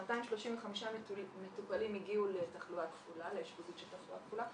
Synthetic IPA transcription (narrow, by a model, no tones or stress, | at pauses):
mataimʃlo̞ʃimveχamiʃamet̪upalimiɡiulet̪aχluatkfulaleːʃbudut̪ʃelt̪aχlua̰tkfula